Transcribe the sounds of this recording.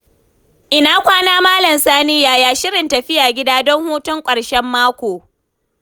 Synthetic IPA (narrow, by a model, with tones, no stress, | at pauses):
ʔɪ˨naː˦kʷaː˦naː˦maː˦lɐ˨msaː˦nɪ˦jaː˨jaː˦ʃɪ˦ɾɪ˨ntɐ˨ɸɪ˦jaː˨ɡʲɪ˦daː˦dɔ˦ŋhuː˦tʊ˦ŋkʷʼɐ˨ɽʃɛ˦mːaː˦kʷoː˨